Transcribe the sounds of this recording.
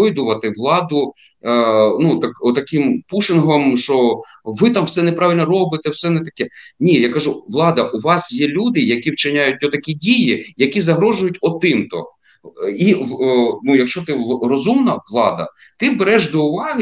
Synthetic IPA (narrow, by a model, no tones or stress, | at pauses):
ɔjd̪ʊʋɐt̪ɪʋlˠɑd̪ʊ | nut̪akɔt̪ɐkʲɪmpuʃɪnɦɔmʃt͡ʃɔ | ʋɪt̪ɑmwsɛnɛpɾɑʋʲilʲnɔɾɔbɪt̪ɛwsɛnɛt̪ɐkɛnʲijakɐʒuʋlˠɑd̪ɐʔʊʋɑsjɛlʲud̪ɪjɐkʲiwt͡ʃɪnʲajʊt̚ʲɔt̪ɐkʲidʲijijɐkʲizɐɦɾɔʒʊjʊtʲɔt̪ɪmt̪ɔ̰ | i | nujɐkʃt͡ʃɔt̪ɪrɔzumnɐʋlˠɑd̪ɐ̰ | t̪ɪbɛɾɛʃd̪ɔʊʋɑɦɪ